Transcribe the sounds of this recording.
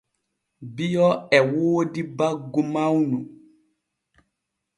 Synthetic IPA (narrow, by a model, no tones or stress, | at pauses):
bijɔɛwoːdibaɡumawnu